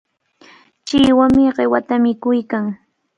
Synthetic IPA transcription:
t͡ʃɪːwamɪɢewat̪amɪkʊjkaŋ

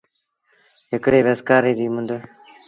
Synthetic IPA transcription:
ɦɪkɽeːʋeskaːɾeːɾiːmʊnd̪ə

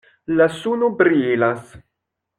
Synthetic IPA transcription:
lasunubɾielas

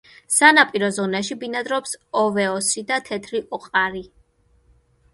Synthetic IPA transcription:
sanapʼiɾɔzɔnaʃibinad̪ɾɔpsɔvɛɔsid̪at̪ʰɛt̪ʰɾiʔɔqʼaɾi

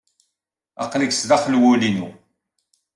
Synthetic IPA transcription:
ɑ̰qːləksðɑχəlwʊlinṵ

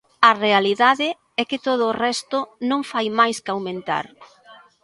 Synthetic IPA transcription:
ɐrealiðaðɪ | ɛkɪt̪oð̞ʊːrɛst̪ʊnõŋfajmajskawmẽnt̪a̰ɾ

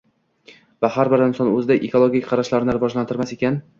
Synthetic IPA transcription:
vahaɾbɪɾɪnsɒnɵzɪd̪aʔekʰo̞lˠoɡʲikʲqʰɑɾaʃlaɾnɪɾɪvɒd͡ʒlant̪ɪɾmase̞kʲan

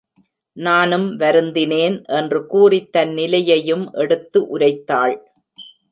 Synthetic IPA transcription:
naːnɯmʋɐɾɯnd̪ɪneːnʔɛndrɯkuːrɪt̪ːɐnːɪlɐjɐjɯmʔɛɽɯt̪ːɯʔʊɾɐɪt̪ːaːɭ

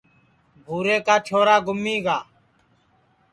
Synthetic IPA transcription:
bʱuːɾeːkaːt͡ʃʰoːɾaːɡʊmːiːɡaː

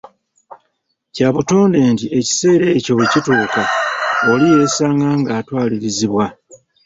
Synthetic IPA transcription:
caːβuto̞ːnde̞ːntiʔe̞ci̥se̞ːɾeːco̞ecituːkaolije̞ːsaːŋɡaːŋɡaːtwaːliɾiziβwa

